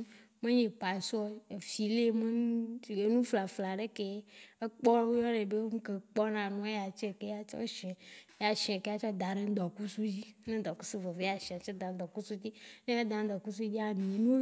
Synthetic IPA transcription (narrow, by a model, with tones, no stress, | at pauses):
mẽ˦ɲẽ˨pa˨su˦o˦e˨fi˨le˦me˦˨e˦nũ˦fla˨fla˨ɖe˦ke˦e˦k͡pɔ˦wo˦jɔ˦nẽ˨be˦wo˦ŋu˦ke˨k͡pɔ˦nã˨nũ˦e˦ja˨t͡ʃe˦˨ke˦a˨t͡ʃɔ̰˦ʃɛ˨˦ja˨ʃɛ˨ke˦a˦t͡ʃɔ˦d̪a˨ɖe˦d̪ɔ˨ku˦su˦d͡ʑi˦nẽ˦d̪ɔ˨ku˦su˦vɔ˨ve˦a˨ʃi˨a˨t͡ʃɔ˦d̪ã˨˦d̪ɔ˨ku˦su˦t̪i˦nẽ˦a˦d̪ã˨n˦d̪ɔ˨ku˦s̬u˦d͡ʒi˦a˦˨mĩ˨nũ˦